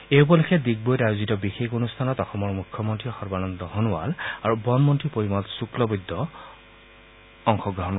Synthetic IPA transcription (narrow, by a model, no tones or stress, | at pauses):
ejp̬ɔlekʰɛdik̚bojtajozitɔbixekonustʰanɔtɔxɔmɔɹmukʰːɔmɔntɹiɔxɔɹbanɔnd̪ɔɦɔnʊwa̰laɹubɔnmɔntɹipoɹimɔtsuklɔbud̪ːɔ | ɔŋxɔɡɹɔɦɔn